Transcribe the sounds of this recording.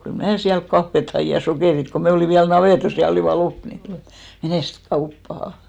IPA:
kyl mnæː siælt kɑfːet hɑi jɑ sokeˑrit ko me oliˑn ʋiæl nɑʋeˑtos jɑ oliˑʋɑ lop ni meneˑst kɑupːɑhɑ

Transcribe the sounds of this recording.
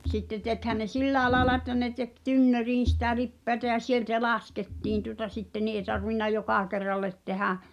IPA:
sitːe tekhæn ne silːæːĕ lɑːĕlɑ etːæ ne tek tynːøriːn̞ sĭtæ lipːeætæ jɑ sieltæ lɑsketːiːn tuŏtɑ sitːe ni ʔe tɑrʋinːɑ jokɑˑ kerːɑlːet tehæ

